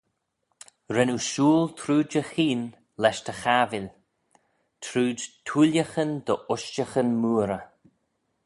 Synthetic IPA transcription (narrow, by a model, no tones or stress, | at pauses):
ɾɛnuʃuːlt̪ʰɾuːd͡ʒəxiːn | lɛʃt̪ʰəxaːvɪlʲ | t̪ʰɾuːdtʰuljəxənd̪əʔʊʃt͡ʃəxənmuːɾə